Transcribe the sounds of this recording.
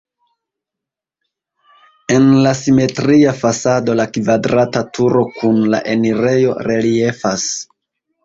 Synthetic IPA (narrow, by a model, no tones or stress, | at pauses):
e̞nlasime̞tɾiafasado̞lakvadɾatatuɾo̞kʰunla̰ʔe̞niɾe̞jo̞̰ɾe̞lie̞fas